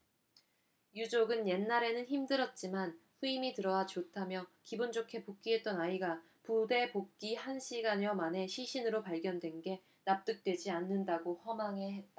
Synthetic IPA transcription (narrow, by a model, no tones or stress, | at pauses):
jud͡ʑoɡɯnje̞nːaɾe̞nɯnçimdɯɾʌt̚t͡ɕ͈imanɸuimitɯɾʌwat͡ɕotʰamjʌkibond͡ʑokʰe̞pok͈iɦe̞t̚t͈ʌnaiɡa | pude̞pok̚k͈ihanɕʰiɡaɲʌmane̞ɕʰiɕʰinɯɾopaɭɡjʌndwe̞nɡe̞ | nap̚t͈ɯk̚t͈we̞d͡ʑianːɯndaɡohʌmaŋɦe̞ɦe̞t̚t͈a